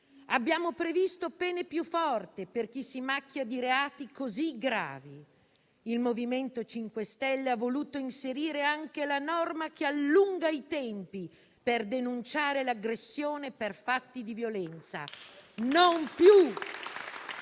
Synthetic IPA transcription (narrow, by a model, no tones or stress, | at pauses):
abːjaːmopɾevist̪opɛːnepjufːɔrt̪eperk̟isːimak̟ːjad̪iɾeaːt̪ikoziɡɾa̰ːvi | ilmoviment̪ot͡ʃiŋkwest̪ɛlːeavːoluːt̪oinseɾiːɾeaŋkelanɔrmak̟ealːuŋɡait̪ɛmpi | perd̪enunt͡ʃaːɾelaɡɾesːjoːneperfat̪ːid̪ivjolɛnt̪sa̰nompju